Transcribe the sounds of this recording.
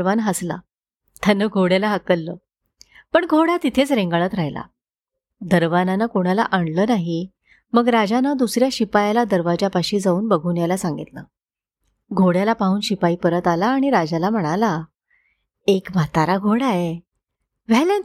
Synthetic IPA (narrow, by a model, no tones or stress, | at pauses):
ʋanɦasla̰ | t̪janːəɡʱoɽjalaɦəkəlːəː | pəɳɡʱoɽat̪it̪ʰet͡sɾẽŋɡɭət̪ɾaɦjla̰ | d̪əɾʋananakoɽ̃ala̰ʔaɳləːnaɦi | məɡɾad͡ʑanad̪usɾjaɕipajalad̪əɾʋad͡ʑapaɕiːd͡zauːnbəɡʱunjalasãŋɡit̪nə̰ | ɡʱoɽjalapaɦuːnɕipaiːpəɾət̪alaːɽ̃iɾad͡ʑalam̤əɽ̃ala | ekm̤at̪aɾaɡʱoɽae | ʋɛlan